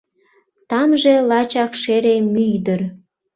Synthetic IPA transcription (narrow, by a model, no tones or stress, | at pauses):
t̪ɑmʒelɑt͡ɕɑkʃeɾemyjd̪ər